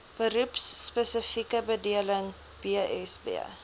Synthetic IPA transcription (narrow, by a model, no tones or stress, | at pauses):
b̥əɾupsːpəsəfikəbədiələŋ | b̥iəʔɛsbḭə̰